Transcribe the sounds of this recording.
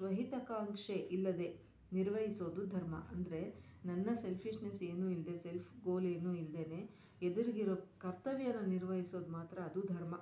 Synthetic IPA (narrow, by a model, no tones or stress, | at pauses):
ʋɐɦit̪ɐkaːɐŋkʂeʔilːɐd̪e̞ | niɾʋɐɦiso̞ːd̪ud̪ʱɐɾmɐ̰ʔɐnd̪ɐɾe̞nɐnːɐselpʰiʂneseːnuːild̪e̞selpʰɡoːle̞ːnuːild̪e̞ne | ed̪uɾiɡiɾoːkɐɾt̪ɐʋjɐnːɐniɾʋɐɦiso̞ːd̪maːt̪ɾɐːd̪ud̪ʱɐɾmɐ